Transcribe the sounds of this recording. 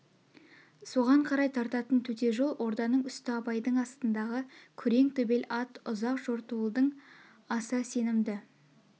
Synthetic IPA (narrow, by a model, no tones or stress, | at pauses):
so̞ʁɑɴqʰɑɾɑjt̪ʰɑɾt̪ɑt̪ənt̪ʰɵt̪e̞ʒo̞lˠwʔo̞ɾd̪ɑnəɴʏst̪ɪɑpɑjd̪əɴɑst̪ənd̪ɑʁəkʲʰʏɾe̞ŋt̪ʰɵbe̞lɑt̪ʊzɑqʒoɾt̪uəlˠd̪əɴ | ɑsəse̞nɪmd̪ɪ